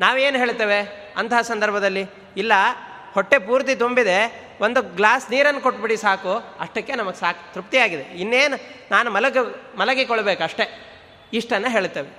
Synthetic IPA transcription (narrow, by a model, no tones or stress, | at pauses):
naːʋeːnuɦeːɭt̪ːeːʋe̞ | ɐnt̪ɐɦɐsɐnd̪ʱɐɾbʱɐd̪ɐlːi | ilːɐ | hoʈːepuːɾt̪̬it̪umbid̪e̞ | ond̪uɡlaːsniːɾɐnːukoʈːbiɽisaːkuɐ̰ʂʈɐkːenɐmɐɡsaːku̥t̪ɾup̚t̪ijaːɡid̪e̞inːeːnunaːnumɐlɐɡmɐlɐɡikɔɭɐbeːkuɐʂʈe̞ | iʂʈɐnːeɦe̞ːɭt̪ːeːʋe